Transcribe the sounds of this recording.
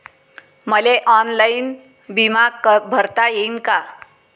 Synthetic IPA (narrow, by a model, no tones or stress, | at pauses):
məleʔɔnlain | bimaɡ̚bʱəɾt̪ajeinka